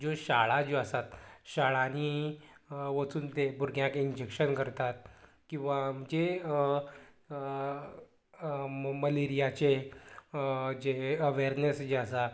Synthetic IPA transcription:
d͡ʑoɕaɭad͡ʑeəsat̪ɕaɭani | ʋət͡suːnt̪ebʱuɾɡʱjãkind͡ʑekʂənkəɾt̪at̪̚ | kĩw̃ʋaməɳd͡ʑe | məleɾijat͡ɕe | d͡ʑeəʋeɾnesd͡ʑeasa

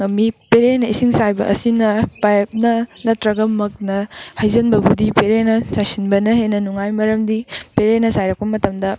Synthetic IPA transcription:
ŋɐmipeɾenɐisiŋsajbɐ̰ʔɐ̰sinɐpajp̚nɐnɐtɾɐɡɐmɐk̚nɐhɐjzɐnbɐbudipeɾenɐsasinbɐnɐɦenɐnuŋajmɐɾɐmdipeɾenɐsajɾɐk̚pɐmɐtɐmdɐ

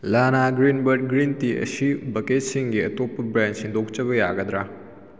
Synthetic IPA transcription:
lanaɡɾinbɐɾd̚ɡɾintiɐ̰sibɐket̚siŋɡiɐtopːɐbɾend͡ʒsindok̚t͡ʃɐβɐja̰ɡɐd̪ɾa

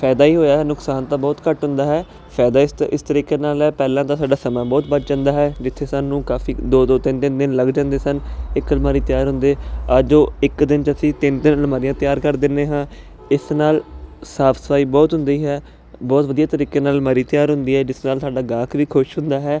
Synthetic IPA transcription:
pʰɛːd̪aːiːɦoːjaːɦɛːnʊksaːnt̪aːbɔːt̪kəʈɦʊ̃nd̪aːɦɛː | pʰɛːd̪aːɪsɪst̪əɾiːkeːnaːlɛːpɛːlãːt̪ãːsaːɖaːsəmãːbɔːt̪bət͡ʃd͡ʒãːnd̪aːɦɛːd͡ʒɪt̪ʰːeːsaːnũːkaːfiːd̪oːd̪oːt̪ɪnt̪ɪnd̪ɪnləɡd͡ʒãːnd̪eːsənɪkəlmaːɾiːt̪ɪjaːɾɦʊ̃nd̪eːəd͡ʒoːɪkd̪ɪnt͡ʃəsĩːt̪ɪnt̪ɪnlmaːɾijãːt̪ɪjaːɾkəɾd̪ɪndeːɦãː | ɪsnaːlsaːpʰsə̥paːiːbɔːt̪ɦʊ̃nd̪iːɦɛː | bɔːt̪ʋəd̪ijaːt̪əɾiːkeːnaːlmaːɾiːt̪ɪjaːɾɦʊ̃nd̪iːɦɛːd͡ʒɪsnaːlsaːɖaːɡaːkʋiːkʰʊʃɦʊnd̪aːɦɛː

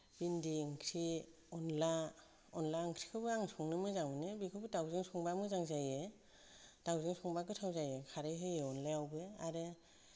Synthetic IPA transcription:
bindiŋkʰɾi | ɔnla | ɔnlaɯŋkʰɾi̥kʰɯbɯaŋsɔŋnɯmɯzaŋmɯnɯbikʰɯbɯdawzɯŋsɔŋbamɯzaŋzaje | d̥awzɯŋsʰɔŋbakɯtʰawzajekʰaɾɯjɦɯjeɔnlajawbɯaɾɯ

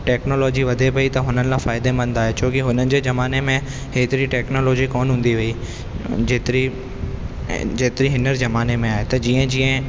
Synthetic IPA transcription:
ʈɛːknoːlɔːd͡ʑiʋɐd̪ʱepɐit̪ɐɦʊnənɪlãfaːɪd̪emɐ̃nd̪aːɦet͡ɕʰoːkɪɦʊnənɪ̆d͡ʑeːzɐmaːnemẽ | ɦeːt̪ɪɾiʈɛːknoːloːd͡ʑikoːnɦũːnd̪iʋɐi | d͡ʑeːt̪ɾi | d͡ʑeːt̪ɪɾiɦɪnəɾzɐmaːnemẽaːɦet̪ɐd͡ʑiːə̃d͡ʑiːə̃

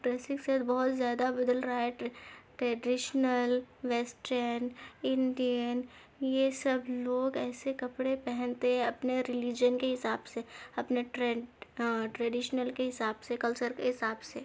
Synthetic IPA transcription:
ʈɾɛːsɪksɛd̪bɔɦːʊt̪zjaːd̪abɐd̪əlɾɐɦaɦɛʈʈɾɛːɖɪʃnəlʋɛːsʈəɾnɪ̃nɖijən | jesɐbloːɡɛːsekɐpɽepɛɦɛ̃nt̪eɦɛ̃ɐpneɾɪlɪd͡ʒjənkeɦɪsaːbseɐpneʈɾ | ʈɾɛɖɪʃnəlkeɦɪsaːbsekɐlt͡ʃəɾkeɦɪsaːbse

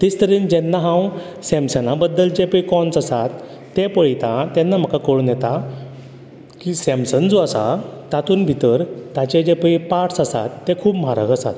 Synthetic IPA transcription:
t̪ist̪əɾiːnd͡ʑɛnːaɦãw | sɛ̃msənabəd̪ːəld͡ʑepəikɔnt͡səsat̪ː | epəɭit̪ãt̪ɛnːam̤əkakəɭunjɛt̪a | kiːsɛ̃msənd͡zoasa̰t̪at̪uːnbʱit̪əɾt̪at͡ɕed͡ʑepəipaʈsəsa̰t̪ːekʰuːpm̤aɾə̰ɡəsa̰t̪

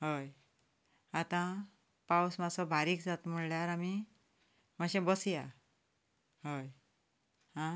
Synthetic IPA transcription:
ɦəj | at̪ã | pawsmasɔbʱaɾiːkd͡zat̪m̤uɭljaɾami | maɕẽbəsija | ɦəj | ɦã

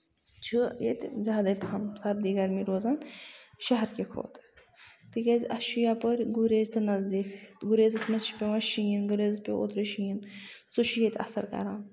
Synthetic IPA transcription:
t͡ʃʰujḛt̪ʲzʲaːd̪ɐjpʰɐmsab̚d̪iːɡaɾmiɾoːzaːnʃɐɦɐɾkʲekʰo̰ːt̪ | t̪ɨkʲɐzʲɐʃujaːpɐɾɡuɾeːzt̪ʰɨnɐzd̪iːkʰɡuɾeːzɐsmɐt͡ʃʰi̥pʲeʋɐʃijinɡuɾeːzɐspʲeo̰ːt̪ɾiʃijin | t͡sut͡ʃʰujet̪ʲɐ̰sɐ̰ɾkɐ̰ɾaːn

